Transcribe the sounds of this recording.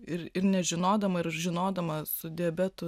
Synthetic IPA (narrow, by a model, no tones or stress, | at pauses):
ɪɾɪɾnʲɛʒʲɪnoːd̪ɐmɐɪɾʒʲɪnoːd̪ɐmɐsʊd̪ʲɛːbʲɛt̪ʊ